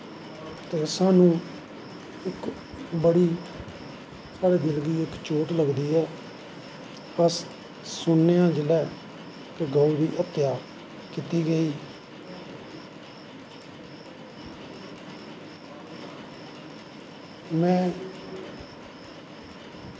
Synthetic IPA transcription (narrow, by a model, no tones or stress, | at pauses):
t̪eːsaːnũː | ɪk | bəɽiː | saːɽeːd̪ɪlɡiːɪkt͡ʃoːʈləɡd̪iːɛː | pəs | sʊɳːejãːd͡ʒɪlɛː | keɡəuɾiːʔət̪ːɪjaː | kɪt̪iːɡəiː | mɛ̃ː